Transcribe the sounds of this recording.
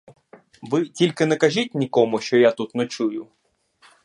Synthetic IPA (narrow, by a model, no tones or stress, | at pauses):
ʋɪtʲilʲkɪnɛkɐʒʲitʲnʲikɔmʊʃt͡ʃɔjat̪ut̪nɛt͡ʃujʊ